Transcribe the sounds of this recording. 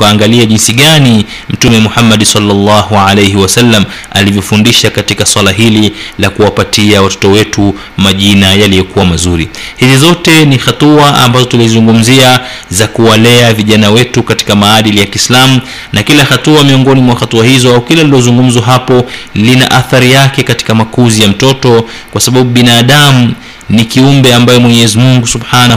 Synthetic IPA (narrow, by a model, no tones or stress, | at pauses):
aːŋɡaliaʄinsiɠani | m̩tumɛmuhamːaɗsɑlːalːɑːɦuʕalejɦiwasalːam | a̰livjɔfundiʃakatikaswalaɦililakuwapatiawatɔ̥tɔwɛtu | maʄinajalijɔkuwamazuɾihizizɔtɛnixatuaa̰mbazɔtulizuŋɡum̩zia | zakuwalɛaviʄanawɛtukati̥kamaːɗilijakislamu | nakilaxatuamiɔŋɡɔnimwaxatuahizɔaukilalilɔzuŋɡum̩zwaɦapɔlina̰ʔaθaɾijakɛkati̥kamakuzijam̩tɔtɔ | kwasaɓaɓuɓinaːɗamu | nikiumbɛambajɛmwɛɲɛɛzimuŋɡusubħana